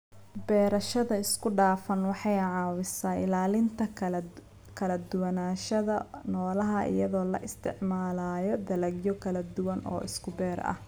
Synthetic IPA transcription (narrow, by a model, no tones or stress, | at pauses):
bɛːɾɐʃɐðɐɪskʰʊɖaːfɐnwɑħɑjʕɑːwɪsaːɪ̰laːlɪnt̪ʰɐ | kʰɐlɐd̪ʊwɐnaːʃɐðɐnɔːlɐɦɐʔɪ̰jɐðɔːlɐ̰ʔɪst̪ʰɪ̰ʕmaːlaːjɔd̪ɐlɐɡjɔkʰɐlɐd̪ʊwɐnɔ̰ːʔɪskʰʊbɛːɾɐ̰h